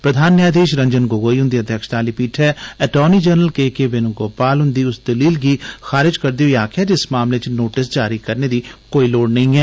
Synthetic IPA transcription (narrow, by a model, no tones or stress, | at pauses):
pɾəd̪ʱaːnːjaːd̪eːʃɾɐ̃ɲd͡ʒənɡoːɡoːiɦʊ̃nd̪iɐd̪ʱjəkʃt̪aːlipiːʈʰɛːɛʈɔːnid͡ʒəːɾnəlkeːkebenũɡoːpaːlɦʊ̃nd̪iːʊsd̪ɐliːlɡixaːɾɪd͡ʒkɐɾd̪iɦoiaːkʰɛd͡ʒɪsmaːmlet͡ʃnoːʈɪs̬d͡ʒaːɾikɐɾned̪ikoːiloːɽnɐɦĩɦɛː